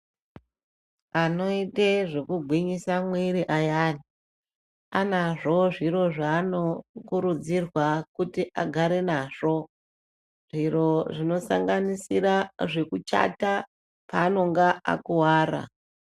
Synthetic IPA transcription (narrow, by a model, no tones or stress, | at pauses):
ano̞iteʐekuɡʱwiɲisamwiɾiʔajaːni | anaʐo̞ʐiɾo̞ʐaːnokuɾud͡zirwakutiʔaɡʱaɾe̞naʐ̥o̞ | ʐ̥iro̞ʐino̞sa̰ŋɡanisiraʐe̞kut͡ʃa̰ta | paːno̞ŋɡaʔa̰kuwaːɾa̰